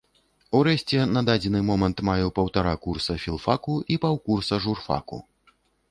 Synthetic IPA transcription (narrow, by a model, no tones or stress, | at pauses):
uɾɛɕʲt͡sʲɛnad̪ad͡zʲɛnɨmɔmɐnt̪majɛwpɐwt̪aɾakursɐfʲilˠfakuipawkursɐʐurfa̰kṵ